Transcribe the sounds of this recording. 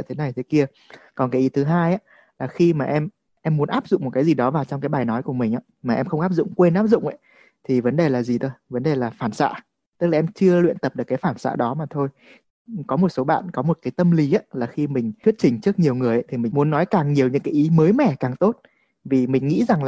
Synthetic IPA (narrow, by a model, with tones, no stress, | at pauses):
t̪ʰe˨˦na˨˩jt̪ʰe˨˦ki˧ə | kɔ˨˩nkaː˨˦jʔi˨˦t̪ʰɨ˨˦ɦaː˧jʔaː˧˥ | laː˨˩xi˧maː˨˩ʔɛ˧m | ʔɛ˧mːu˨˦ənʔaː˦˥p̚zʊ̰˧˨ŋ͡mmo˨˩t̚kaː˨˦jzi˨˩ɗɔ˨˦vaː˨˩wt͡ɕɔ˧wŋ͡mkaː˨˦jɓaː˨˩jnɔ˨˦jku˧˩əmï˨˩ŋ̟ʔaː˨˧˦maː˨˩ʔɛ˧mxə˧wʔaː˦˥p̚zʊ̰˧˨ŋ͡mkwe˧nʔaː˦˥p̚zʊ̰˧˨ŋ͡mʔa̰˧˨˦ | t̪ʰi˨˩və˨˦nɗe˨˩laː˨˩zi˨˩t̪ʰo˧jvə˨˦nɗe˨˩laː˨˩faː˧˩nsa̰ː˧˨ | t̪ɨ˦˥k̚laː˨ʔɛ˧mt͡ɕɨ˧əlwḭ˧ənt̪ə˨˩p̚ɗkːjfaː˧˩nsa̰ː˧˥ɗɔ˨˦maː˨˩t̪ʰo˧j | kɔ˨˦mo˨˩t̚so˨˦ɓa̰ː˧˨nkɔ˨˦mo˨˩t̚kaː˨˦jt̪ə˧mli˨˦aː˧˦laː˨˩xi˧mï˨˩ŋ̟ʰwi˦˥ət̚t͡ɕï˨˩ŋ̟t͡ɕɨ˦˥ək̚ɲi˨˩əwŋɨ˨˩əjʔa˨˧˦t̪ʰi˨˩mï̟˨˩mu˨˦ənːɔ˨˦jkaː˨˩ŋɲi˨˩əwɲɨ̰˧˥ŋkaː˨˦jʔi˨˦məː˨˦jmɛ̰˧˩kaː˨˩ŋt̪o˦˥t̚ | vi˨˩mï˨˩ŋ̟ŋḭ˧˥za˨˩ŋla˨˩